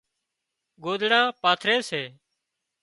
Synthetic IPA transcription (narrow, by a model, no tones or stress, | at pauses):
ɡoːd̪ɽãːpaːt̪ʰɾeːseː